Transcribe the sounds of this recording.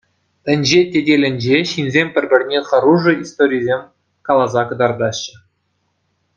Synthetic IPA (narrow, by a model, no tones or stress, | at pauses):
ɘ̆nʲd͡ʑetʲedʲelʲɘ̆nʲd͡ʑeɕinzʲemʲpʲɘ̆rʲbʲɘ̆rʲnʲeχɑɾuʐɤ̆ist̪oɾʲijzʲemʲ | kɑlˠɑzɑkɤ̆d̪ɑrd̪ɑɕːə̆